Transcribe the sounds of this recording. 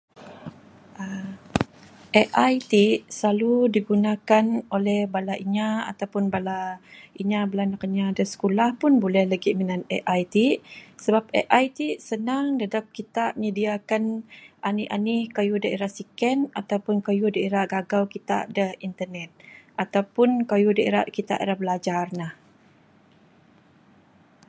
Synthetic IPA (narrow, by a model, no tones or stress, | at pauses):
ʔə | ʔeʔajt̪iʔslaludiɡunakanolɛhbalaʔiɲaa̰t̪awpʊnbalaiɲabəlanakaɲadəsə̥kulahpʊnbulɛhlaɡimənanɛʔajt̪isəbap̚ɛ̰ʔajt̪isənaŋdadap̚kit̪aʔɲədiakanʔaniʔanikajudaeɾasikɛnat̪awpʊnkajudaeɾaʔɡaɡawkit̪a̰ʔdəhint̪ərnɛt̪̚ʔat̪awpʊnkajudaeɾaʔkit̪a̰ʔḛɾahbəlad͡ʒarnah